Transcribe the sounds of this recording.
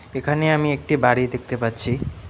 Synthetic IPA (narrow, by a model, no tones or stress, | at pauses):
ekʰaneamiek̚ʈibaɽid̪ek̚ʰt̪epatːt͡ɕʰi